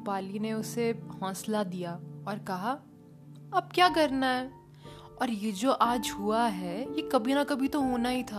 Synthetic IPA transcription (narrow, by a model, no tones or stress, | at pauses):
paːlineʊsehɔ̃ːslad̪ijaɔːɾkɐɦa | ɐb̚kjaːkɐɾnaɦɛː | ɔːɾjed͡ʒoːʔaːd͡ʒɦuaɦɛjekɐbʱinakɐbʱit̪oɦoːnaɦit̪ʰaː